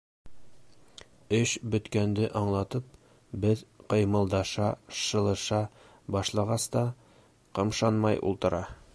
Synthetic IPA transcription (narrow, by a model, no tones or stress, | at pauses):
ɵɕbɵ̆t̪kænd̪ɘʔɒɴlˠɑt̪ɤp̚ | bɘðqɤ̆jmɤ̆lˠd̪ɑʃɑʃɤ̆lˠɤ̆ʃɑ | bɒʃlˠɑʁɑst̪ɑ | qɤ̆mʃɑnmɑjṵlˠt̪ɤ̆ɾɑ